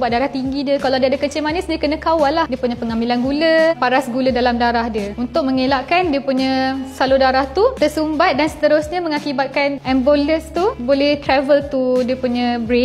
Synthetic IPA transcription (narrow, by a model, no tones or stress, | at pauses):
bat̪̚daɾaht̪iŋɡidiəkalawdiəadakət͡ʃɪlmanɛsdiəkənə̃kawalːahdiəpuɲãpəŋamilanɡuləpaɾasɡulədalamdaɾahdiəunt̪ʊk̚məŋelaʔkandiəpuɲə̃saludaɾaht̪ut̪əsumbat̪̚dansə̥t̪əɾʊsɲə̃məŋakibat̪̚kanɛmboləst̪ubolɛht̪ɾɛvəlt̪udiəpuɲə̃bɾe